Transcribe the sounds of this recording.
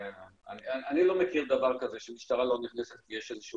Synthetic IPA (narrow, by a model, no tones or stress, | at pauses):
aniaanilo̞mekiʁd̪avaʁkazeʃemiʃt̪aʁalo̞niχneset̪vijeʃezeʃu